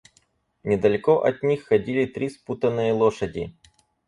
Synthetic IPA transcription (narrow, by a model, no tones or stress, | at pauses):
nʲɪd̪ɐlʲɪkoʔɐt̪̚ʲnʲixːɐdʲilʲɪt̪ɾʲisput̪ənːɨjəlˠoʂədʲɪ̰